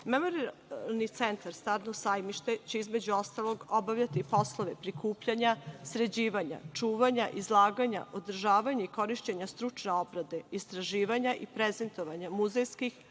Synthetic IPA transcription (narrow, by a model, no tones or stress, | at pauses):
memo̞ɾialˠnit̪sent̪aɾst̪aɾnosajmiʃt̪e̞t͡ɕeizmed͡ʑuo̞st̪alˠo̞ɡobaʋʎat̪ipo̞slˠo̞ʋe̞pɾikuːpʎaɲasɾe̞d͡ʑiːʋaɲa̰t͡ʂuːʋaɲaʔizlˠaːɡaɲa̰ʔod̪r̩ʒaːʋaɲaiko̞ɾiʃt͡ɕeɲast̪ɾut͡ʂneobɾad̪e̞ist̪ɾaʒiːʋaɲaʔipɾeze̞nt̪o̞ʋaɲamuzejskix